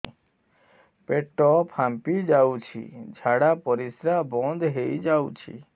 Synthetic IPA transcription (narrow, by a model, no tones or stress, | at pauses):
peʈːɔpʰampid͡ʒawt͡ʃʰḭd͡ʒʱaɽapɔɾisɾabɔ̃nd̪ʱɦejd͡ʒawt͡ʃʰḭ